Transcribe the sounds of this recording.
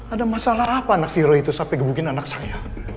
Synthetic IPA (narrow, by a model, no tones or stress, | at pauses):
adamasalaɦapaːnaksiɾɔit̪usapɛɡəbuɡɪnanaksaja